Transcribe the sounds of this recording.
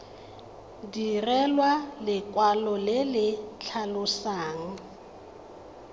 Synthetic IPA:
dirɛlwalɪkʼwalɔlɪlɪt͡ɬʰalʊsaːŋ̩

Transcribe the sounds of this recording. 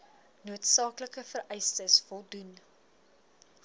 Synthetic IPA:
nuətsɑːkləkəfəɾɛjstəsfɔlˠdun

